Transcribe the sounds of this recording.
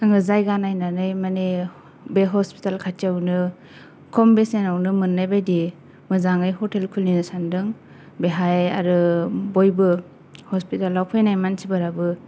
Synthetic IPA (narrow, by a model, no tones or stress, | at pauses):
aŋɯzajɡanajnanɯjmane | beɦɔspi̥talkʰatʰijawnɯ | kʰɔmbesenawnɯmɯnːajbajdi | mɯzaŋɯjɦɔtelkʰulninɯsandɯŋ | beɦaja̰ɾɯbojbɯ | hɔspitalːawkʰɔjnajmansʰibaɾabɯ